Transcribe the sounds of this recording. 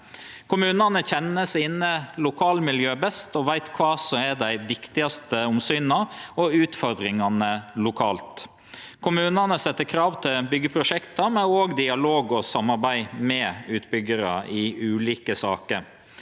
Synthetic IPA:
kʰʊmʉːnɑnəçɛnəsɪːnːəlʊkʰɑːlmɪljøːbɛst̪ɔʋæɪt̪kʰʋɑːsɔmɛd̪æɪʋɪkt̪ɪɑst̪əʊmsyːnɑɔʉːt̪fɔɾd̪ɾɪŋɑnəlʊkʰɑːlt̪ | kʰʊmʉːnɑnəsɛt̪ːəkʰɾɑːʋt̪ʰɪlbʏɡːəpʰɾʊʂɛkt̪ɑmɛoːɡd̪ɪɑloːɡɔsɑmːɑɾbæɪmɛʉːt̪bʏɡəɾɑ̰ʔɪʉːliːkəsɑ̰ːkəɾ

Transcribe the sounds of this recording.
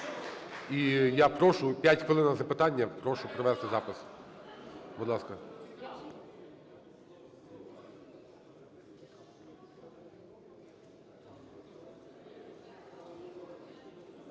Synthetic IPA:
ijapɾɔʃʊpʲjatʲxʋɪlˠɪnɐzɐpɪt̪ɑnʲːɐpɾɔʃʊpɾɔʋɛst̪ɪzɑpɪs | bʊd̪lˠɑskɐ

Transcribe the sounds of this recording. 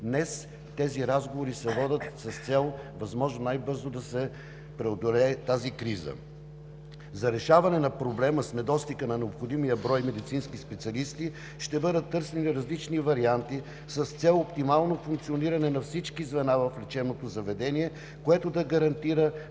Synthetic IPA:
d̪nɛs | t̪ɛziɾazɡovoɾisɛvɔd̪ʲət̪sɐst̪sɛlˠvɐzmɔʒnonajbɤɾzod̪ɐsɛ | pɾɛod̪olɛːt̪azikɾizə̰ | zɐɾɛʃavɐnɛnɐpɾoblɛməsnɛd̪ɔst̪ikənɐnɛopxod̪imijəbɾɔjmɛd̪it̪sinskispɛt̪siɐlist̪i | ʃt̪ɛbɤd̪ət̪ːɤɾsɛniɾɐzlit͡ʃnivɐɾiant̪i | sɐst̪sɛlˠopt̪imalˠnofuŋkt̪sioniɾɐnɛnɐfsit͡ʃkizvɛnavɐflɛt͡ʃɛnot̪ozɐvɛd̪ɛniɛ | koɛt̪od̪ɐɡɐɾɐnt̪iɾə

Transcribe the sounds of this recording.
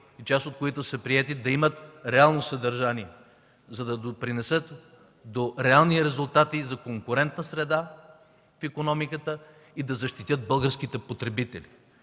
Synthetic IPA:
it͡ʃast̪ot̪̚koit̪ʊsəpɾiɛt̪id̪ɐimət̪ɾɛalˠnosɐd̪ɐɾʒaniɛ | zɐd̪ɐd̪opɾinɛsət̪ | d̪oɾɛalˠniɾɛzʊlˠt̪at̪izɐkoŋkʊɾɛnt̪nəsɾɛd̪a | fikonɔmikət̪ə | id̪ɐzɐʃt̪it̪ʲɤt̪̚bɤlˠɡəɾsk̟it̪ɛpot̪ɾɛbit̪ɛli

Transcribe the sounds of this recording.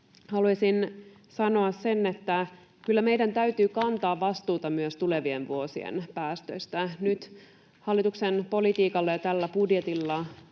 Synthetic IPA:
hɑluɑsin | sɑno̞ɑssenːet̪ːæ | kylːæmejdænt̪æyt̪yːkɑnt̪ɑːʋʋɑst̪uːt̪ɑmyøst̪ule̞ʋienʋuosiḛnpæːst̪ø̰ist̪ænyt̪ | hɑlːit̪uksenpo̞lit̪iːkɑlːɑjɑt̪ælːæpudjet̪ilːɑ

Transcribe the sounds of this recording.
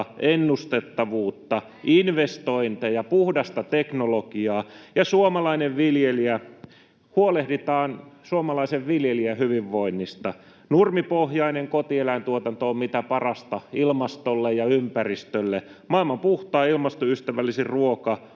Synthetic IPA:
enːust̪et̪ːɑʋuːt̪ːɑ | inʋest̪oint̪ejɑpuhdɑst̪ɑt̪eknolokiɑːjɑsuomɑlɑineʋʋiljeliæ | huolehdit̪ɑːnsuomɑlɑiseʋʋiljeliæhyʋiʋːoinːist̪ɑ | nurmipohjɑineŋkot̪ielæint̪uot̪ɑnt̪oːmmit̪æpɑrɑst̪ɑilmɑst̪olːejɑympærist̪ølːemɑˑilmɑmpuht̪ɑːilmɑst̪oyst̪æʋælːisirruokɑ

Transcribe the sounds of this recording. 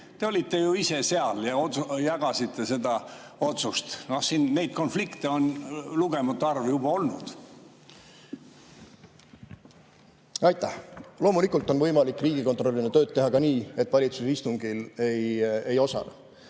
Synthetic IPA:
t̪e̞o̞lʲit̪ːe̞juiseseɑljɑot̪jɑɡ̥ɑsit̪ːe̞se̞d̪ɑ | o̞t̪sust̪nohsiːnːe̞jd̪̚ko̞nflikt̪eonluɡemɑt̪ːˑuɑrvjubɑo̞lnṵd̪̥ | ɑjt̪ːˑæhlo̞ːmulikːˑult̪ːˑo̞nvɤjmɑlikːˑriːɡ̥iko̞nt̪ro̞lʲːinet̪ø̞ːdt̪̚t̪ːe̞ɦɑkɑniːe̞t̪ːˑvɑlʲit̪suseist̪uŋɡ̥ile̞jejo̞sɑ̰lɑ̰

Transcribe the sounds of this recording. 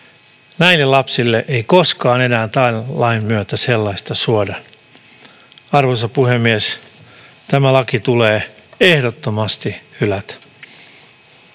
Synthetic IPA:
næilːelɑpsilːeʔeiko̞skɑːne̞næːnt̪ɑːɑimmyøt̪æselːɑist̪ɑsuodɑ | ɑrʋosɑpuhemːies | t̪æmælɑkit̪uleːe̞hdot̪ːomɑst̪ihylæt̪

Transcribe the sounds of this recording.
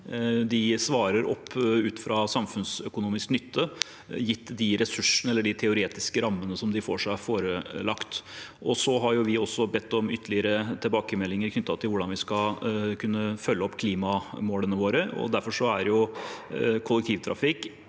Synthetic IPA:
d̪ɪsʋɑːɾəɾɔ̰pːʉːt̪fɾɑsɑmfʉnsœkʊnuːmɪsknʏt̪ʰːə | jɪt̪ːd̪ɪɾɛsʉʂn̩ɛlːəɖɪt̪ʰɛʊɾeːt̪ɪskəɾɑmːənəsɔmd̪ɪfo̰ːʂæɪfoːɾəlɑkt̪ʔɔsɔɦɑɾjʊʋɪɔsːɔbɛt̪ːɔmʏt̪ʰːəlɪəɾət̪ʰɪlbɑːkəmɛlːɪŋəɾkʰnʏt̪ːɑt̪ʰɪlʋʊɖɑnʋɪskɑkʰʉnːəfœlːəɔpːkʰliːmɑmoːlənəʋoːɾəɔ̰d̪æɾfɔʂɔæɾjʊ | kʰʊlːɛk̚t̪ʰiːʋt̪ʰɾɑ̰fɪk

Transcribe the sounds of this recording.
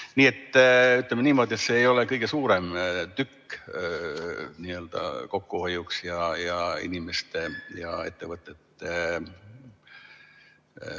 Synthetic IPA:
niːet̪ːæyt̪ːæmːæniːmoˑt̪ʲet̪seeiolekɤikesuːremt̪ykːøniːelt̪ɑ̰kokːohojuksjɑjɑḭnimest̪jɑ̰ḛt̪ːeʋɑt̪ːet̪ːæ

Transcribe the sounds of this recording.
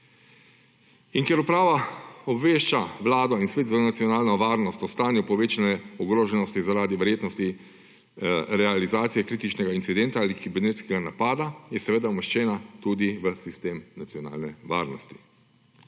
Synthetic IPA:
inkjɛɾupɾaːʋaɔbʋeːʃt͡ʃaʋlaːd̪ɔinsʋeːt̪zanat̪sijɔnaːlnɔʋaːɾnɔst̪ɔst̪aːnjupɔʋeːt͡ʃanɛɔɡɾoːʒɛnɔst̪izaɾaːd̪iʋɛɾjeːt̪nɔst̪i | ɾɛalizaːt̪sijɛkɾiːt̪it͡ʃnɛɡaintsid̪ɛnt̪aaːlikibɛɾnet̪skɛɡanapaːd̪ajɛsɛʋeːd̪aumɛʃt͡ʃɛːnat̪ud̪iʋəsist̪eːmnat̪sjɔna̰ːlnɛʋa̰ːɾnɔst̪i̥

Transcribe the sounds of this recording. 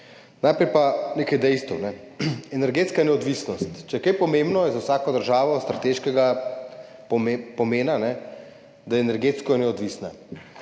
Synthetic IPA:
najpɾɛjpaneːkajd̪ɛjst̪ə̰wnɛ | ɛnɛɾɡeːt̪skanɛɔd̪ʋisnɔst̪t͡ʃɛjɛkɐjpɔmeːmbnɔjɛzawsaːkɔd̪əɾʒaːʋɔst̪ɾat̪eːʃkɛɡa | ppɔmeːnanɛ | d̪ajɛɛnɛɾɡeːt̪skɔnɛɔd̪ʋisna

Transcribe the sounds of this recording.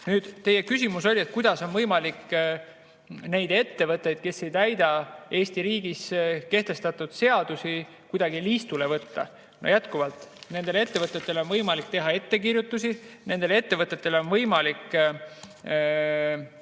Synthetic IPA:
nyːd̪̥t̪e̞je̞kys̬ʲimuso̞lʲie̞t̪̚ːˑkujd̪̥ɑso̞nvɤjmɑlikː | ne̞jd̪̥e̞t̪ːe̞vɤt̪ːˑe̞jd̪̥̚ke̞sːe̞jt̪æjd̪̥ɑe̞ːsʲt̪iɾiːɡiske̞ht̪e̞st̪ɑt̪ːˑud̪̥se̞ɑd̪̥usi | kujd̪̥ɑɡiliːst̪ule̞vɤt̪ːɑ̰ | no̰jæt̪kuvɑlt̪ˑne̞nd̪̥e̞lee̞t̪ːevɤt̪ːˑe̞t̪ːe̞leo̞nvɤjmɑlik̚t̪e̞ɦɑe̞t̪ːe̞kirjut̪ːˑus̬ine̞nd̪e̞lee̞t̪ːe̞vɤt̪ːˑet̪ːe̞leo̞nvɤjmɑlikː

